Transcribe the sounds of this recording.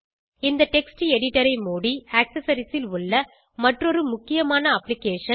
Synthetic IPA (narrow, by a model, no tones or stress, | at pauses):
ɪnd̪ɐʈɛksʈiɛɽɪʈːɐɾɐɪmoːɽiɐksɐsɐɾɪsɪlʊɭːɐ | mɐʈrɔɾɯmʊkːɪjɐmaːnɐɐpːlɪkeːʂɐ